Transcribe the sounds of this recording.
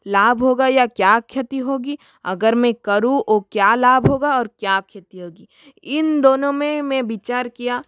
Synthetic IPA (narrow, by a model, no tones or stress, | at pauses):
laːbʱɦoːɡajakjaːkʰjət̪iɦoːɡi | ɐ̰ɡəɾmẽkɐɾũʔoːkjaːlaːbɦoːɡaɔːɾkjaːkʰjət̪iɦoːɡiː | ɪnd̪oːnõmẽmẽʋɪt͡ʃaːɾkijaː